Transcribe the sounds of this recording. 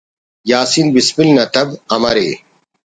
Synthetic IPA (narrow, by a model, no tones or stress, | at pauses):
jaːsinbispilnɐt̪ɐbɐmɐɾḛː